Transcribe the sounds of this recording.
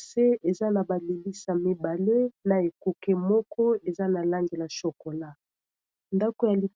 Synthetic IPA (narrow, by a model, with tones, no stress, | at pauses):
se˦e˨za˦na˨ba˨li˨li˦sa˨mi˨ba˨le˦na˨e˨ku˨ke˦mɔ˦kʰɔ˦e˨za˦na˨la˦ŋɡe˨la˨ʃo˨ko˨la˦ | nda˦ko˨ja˨li˨